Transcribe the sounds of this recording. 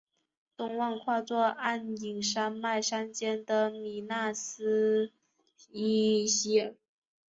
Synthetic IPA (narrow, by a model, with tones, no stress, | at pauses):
t̪ʊ˥˧ŋwa˥˧ŋkʰwa˥˧t͡swɔ˥˧a˥˩ni˨˩ŋʂa˥nma˥˩ɪʂa˥nt͡ɕjɛ˥nd̪ə˨mi˨˩na˥˩sɹ̩˥ | i˥ɕɛ˥˩